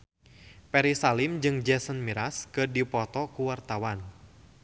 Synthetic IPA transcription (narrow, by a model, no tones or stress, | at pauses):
pɛɾisalimd͡ʒɨŋd͡ʒɛsənmiɾaskədipɔt̪ɔkuwart̪awan